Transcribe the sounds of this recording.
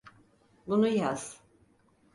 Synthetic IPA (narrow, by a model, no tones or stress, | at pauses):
bunujaz̥